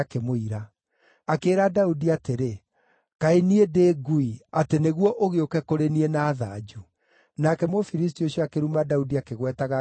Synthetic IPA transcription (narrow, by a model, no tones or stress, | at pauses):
kemoiɾa | akeːɾadaudiateɾe | kaeniedeːɡuiateneɣwɔʔoɣeokɛkoɾenienaːða̰d͡ʒu | nakɛmofiɾis̬tioɕiɔakeɾumadaudiakeɣwɛtaɣa